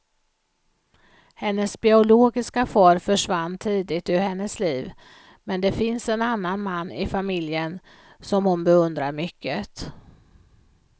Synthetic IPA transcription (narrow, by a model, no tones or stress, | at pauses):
hɛnːəsbɪʊloːɡɪskafɔːɾfœʂvanːt̪ʰiːd̪ɪɡt̪ɵɾhɛnːəsliːv | mɛnd̪ɛfɪnsɛnanːanmanːɪ̰famɪljən | sɔmhʊnbɛɵnd̪ɾaɾmʏkːət̪